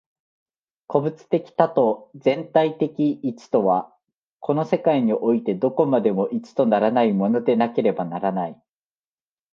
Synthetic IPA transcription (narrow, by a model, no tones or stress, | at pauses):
ko̞bɯ̟t͡sɨ̥t̪e̞kʲi̥t̪at̪o̞d͡zẽ̞nt̪ait̪e̞kʲiːt͡sɨ̥t̪o̞βa | kʰo̞no̞se̞kaiɲ̟iʔo̞it̪e̞d̪o̞ko̞mad̪e̞mo̞ʔit͡sɨ̥t̪o̞naɾanaimo̞no̞d̪e̞nake̞ɾe̞banaɾanai